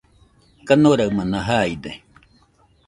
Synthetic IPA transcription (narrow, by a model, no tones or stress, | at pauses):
kanoɾawmãnaɦaid̪e